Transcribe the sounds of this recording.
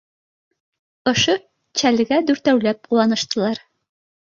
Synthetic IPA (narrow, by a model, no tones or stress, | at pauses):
ŏʃo | t͡ɕælɡæd̪ʉɾt̪æwlæp̚quɑnɤ̆ʃt̪ɤ̆lˠɑɾ